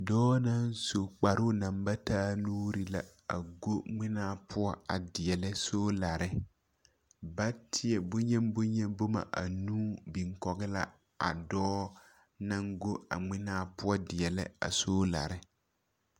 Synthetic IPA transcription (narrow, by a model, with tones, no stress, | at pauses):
dɔː˦na˦nso˨k͡pa˨ɾʊ˦na˨mba˦taː˦nuː˦ɾi˦la˦ | a̰˨ɡo˦ŋ͡mɪ˦naː˦pʰʊ˦ɔ˦a̰˨dɪ˨ɛ˨lɪ˦soː˦la˨ɾɪ˦ | ba˦tʰɪ˦ɛ˨bʊ˦ɲɛ˦m˦bʊ˦ɲɛ˦bo˦ma̰˨ʔa̰˨nuː˦bi˨ŋkɔ˨ɣɪ˦la˦ | a̰˨dɔː˦ | na˦ŋɡo˦a̰˨ŋ͡mɪ˦naː˦pʊ˦ɔ˦dɪ˨ɛ˨lɪ̰˦a̰˨soː˦la̰˨ɾɪ˦